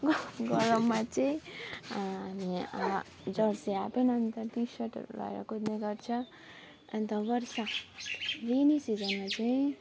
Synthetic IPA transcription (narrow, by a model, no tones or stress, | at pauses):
ɡʌɾʌmat͡sʌĩː | ni | d͡zʌɽseapenʌnt̪ʌɾt̪isʌʈla̰jɾʌ̰kʰud̪neɡʌɾt͡sʰʌ | ʌnt̪ʌbʌɾsa | ʋenisid͡zʌnmat͡saĩ